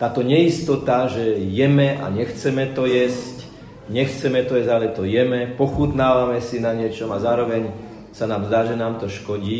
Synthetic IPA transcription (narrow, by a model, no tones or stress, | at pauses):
t̪aːt̪ɔɲɛist̪ɔt̪aʒɛjɛmɛʔa̰ɲɛxt͡sɛmɛt̪ɔjɛsc | ɲɛxt͡sɛmɛt̪ɔjɛzɟalɛt̪ɔjɛmɛpɔxut̪naːʋamɛsinaɲɪɛt͡ʃɔmazaːɾɔʋɛɲ | sanaːmzd̪aːʒɛnaːmt̪ɔʃkɔɟiː